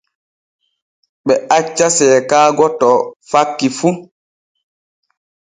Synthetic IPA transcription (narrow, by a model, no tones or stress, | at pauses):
ɓɛat͡ʃːasɛːkaːɡɔtɔfakːifu